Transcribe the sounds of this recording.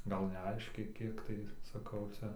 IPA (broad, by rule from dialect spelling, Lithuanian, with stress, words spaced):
ˈɡɐlˠ nʲɛˈɐɪʃʲkʲɛɪ ˈkʲiɛk tɐɪ sɐˈkɐʊ ˈt͡sʲɛ